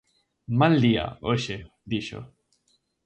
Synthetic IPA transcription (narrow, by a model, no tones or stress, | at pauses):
mald̪ia̰oɕe | d̪iɕo̰